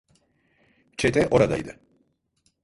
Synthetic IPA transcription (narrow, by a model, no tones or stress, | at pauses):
t͡ʃɛt̪ɛʔoɾad̪a̰jd̪ɛ